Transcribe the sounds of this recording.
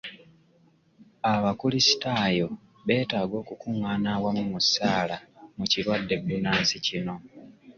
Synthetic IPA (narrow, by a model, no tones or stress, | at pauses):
aβakulisi̥taːjo̞ | βe̞ːtaːɡo̞ːkukuŋːaːnaːwamumusaːlamucilwadːe̞binaːnsicino̞